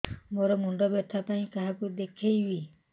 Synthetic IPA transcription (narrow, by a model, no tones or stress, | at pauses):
moɾɔmuɳɖɔbet̪ʰapaĩkaɦakud̪ekʰejbi